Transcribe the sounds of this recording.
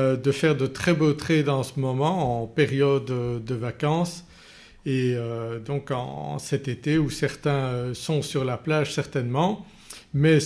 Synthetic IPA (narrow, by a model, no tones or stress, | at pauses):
ød̪əfɛʁd̪ət̪χɛbot̪χed̪ɑ̃səmɔmɑ̃ɑ̃peʁjɔd̪øːəvakɑ̃s | eød̪ɔ̃kɑ̰̃sɛt̪et̪eusɛʁt̪ɛ̃øsɔ̃syʁlaplaːʒsɛʁt̪ɛnmɑ̃ | mɛ